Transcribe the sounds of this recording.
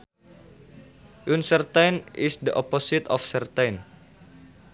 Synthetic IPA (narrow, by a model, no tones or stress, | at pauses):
ʔunsərt̪ajnisd̪əʔɔposit̪ɔfsərt̪ajn